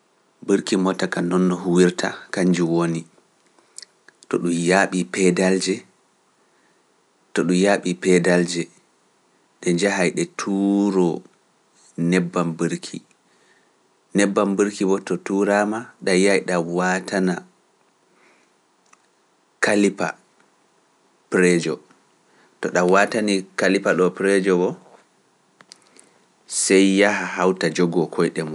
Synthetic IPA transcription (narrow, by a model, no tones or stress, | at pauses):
bəɾkimɔtːakanɔnːɔɦuwiɾtʰa̰kaɲd͡ʒiwoni | tɔɗumjaɓipɛdald͡ʒɛ | tɔɗumjaɓipɛdald͡ʒɛ | ɗɛɲd͡ʒaɦajɗɛtʰuɾɔ | nɛbːambəɾkʰḭ | nɛbːambəɾkibɔtɔtuɾamaɗajajɗawaːtʰana | kalipa̰ | pɾɛd͡ʒɔ | tɔɗawatanikalipaɗɔpɾɛd͡ʒɔbɔ | sɛjːahaɦawtad͡ʒɔɡɔkʰɔjɗɛmɔ